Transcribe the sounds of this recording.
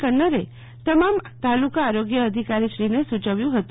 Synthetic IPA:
kənəɾe | t̪əmamt̪alukaːɾoɡjəːd̪ʱikaɾiʃɾinesut͡ʃəʋjũɦət̪

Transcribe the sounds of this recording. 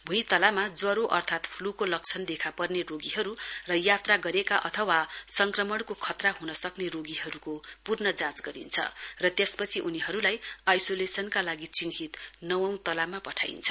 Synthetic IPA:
bʱujt̪ʌlamad͡zwʌɾoʔʌrt̪ʰat̪pʰlukolʌkt͡sʰʌnd̪ekʰapʌrneroɡiɦʌɾurʌjat̪raɡʌɾekaʔʌt̪ʰʌwasʌŋkrʌmʌɽkokʰʌt̪raɦunʌsʌkneroɡiɦʌɾukopurnʌd͡zãt͡sɡʌɾḭnt͡sʰʌ̰rʌt̪jespʌt͡sʰiʔuniɦʌɾulajajsolesʌnkalaɡit͡siŋɦit̪nʌwʌ̃w̃t̪ʌlamapʌʈʰa̰jnt͡sʰʌ

